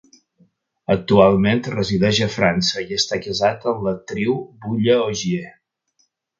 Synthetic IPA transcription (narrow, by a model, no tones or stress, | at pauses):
ək̚t̪ualˠment̪rəziðɛʒəfɾansəiəst̪akəzat̪ənlət̪ɾiwbuʎəoʒie